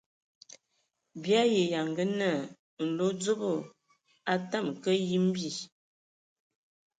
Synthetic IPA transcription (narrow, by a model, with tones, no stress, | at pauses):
bja˦je˨ja˨ŋɡə˦nə˦˨ | n̩˨lo˦d͡zo˦bo˦˨ | a˦ta˦˨m˨kə˦ji˦m˦bi˦˨